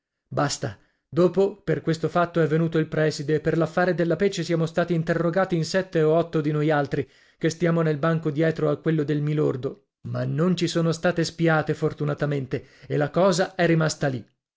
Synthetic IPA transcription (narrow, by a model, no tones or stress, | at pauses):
bast̪a | d̪oːpoperkwest̪ofat̪ːoɛvːenuːt̪oilpɾɛːsid̪eːpːerlafːaːɾed̪elːapet͡ʃːesjaːmost̪aːt̪iːnt̪erːoɡaːt̪iinsɛt̪ːeoɔt̪ːod̪inojalt̪ɾi | kest̪jaːmonelbaŋkod̪jɛːt̪ɾoakːwelːod̪elmilord̪o | manːont͡ʃisoːnost̪aːt̪espiaːt̪efort̪unat̪ament̪eelːakɔːzaɛrːimast̪ali